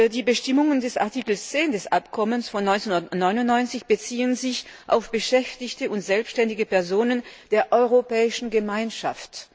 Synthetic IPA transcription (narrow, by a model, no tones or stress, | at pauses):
diːbəʃtɪmʊŋəndɛsa̰ɐtikl̩st͡seːndɛsʔapkʰɔmənsfɔnːɔʏnt͡senundɐtnɔʏnʊnnɔʏnt͡sɪçb̥ət͡siːənzɪçʔa̰ʊfb̥əʃɛftɪçtəʊntz̥ɛlpsʃtɛndɪɡəpɛɐzoːnənd̥eːɐʔɔʏʁopɛːɪʃn̩ɡəmaɪnʃa̰ft